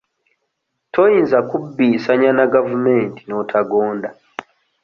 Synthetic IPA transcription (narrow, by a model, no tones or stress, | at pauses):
tʰojiːnzakubːiːsaɲanaɡavumeːntino̞tʰaɡoːnda